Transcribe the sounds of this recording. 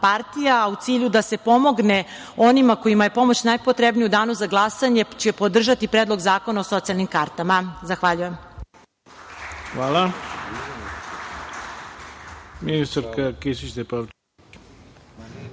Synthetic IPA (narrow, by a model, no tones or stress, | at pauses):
paɾt̪ijaut̪siːʎud̪ase̞po̞mo̞ɡne | onimako̞imajepo̞mo̞t͡ɕnajpot̪ɾebnijud̪aːnuzaɡlˠasaɲe̞t͡ɕepo̞d̪r̩ʒat̪ipɾeːd̪lo̞ɡzaːko̞naoso̞t̪sialnimkaɾt̪amazaxʋaʎujem | xʋaːla | minist̪aɾkakisit͡ʃt̪epaʋ